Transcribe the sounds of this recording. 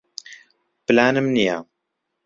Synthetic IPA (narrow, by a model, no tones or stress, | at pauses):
plaːnəmnija